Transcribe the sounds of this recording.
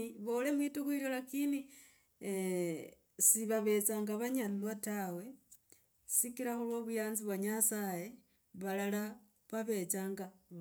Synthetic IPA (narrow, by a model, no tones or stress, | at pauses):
βole̞mwitukwiɾolakini | siβaβe̞t͡saːŋɡaβaɲaniwatawe̞ | sikiɾaxulwoβujaːnziβwaɲasaje̞ | βalala | βaβe̞t͡saːŋɡa